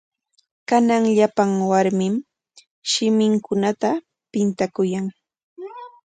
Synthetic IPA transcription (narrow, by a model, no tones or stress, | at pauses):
kanaŋʎapaŋwaɾmɪm | ʃɪmɪŋkʊnat̪a | pɪnt̪akʊjaŋ